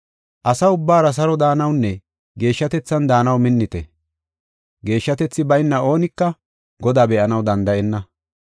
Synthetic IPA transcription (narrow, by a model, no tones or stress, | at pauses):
ʔɐsɐʊbːaːɾɐs̬ɐɾɔd̪aːnɐwnːɛ | ɡe̞ːʃːɐt̪ɛt͡sːɐnd̪aːnɐwmɪnːɪt̪ɛ̰ | ɡe̞ːʃːɐt̪ɛt͡sːɪbɐjnːɐo̞ːnɪkːɐ | ɡɔd̪aːbɛʔɐnɐwd̪ɐnd̪ɐʔɛnːɐ